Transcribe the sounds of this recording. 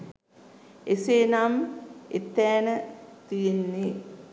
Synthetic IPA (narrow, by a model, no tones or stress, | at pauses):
eseːnamet̪ɛːnət̪ijenːi